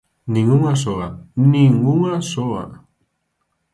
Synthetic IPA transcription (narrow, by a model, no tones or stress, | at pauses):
niŋuŋas̬oaniŋuŋasoa̰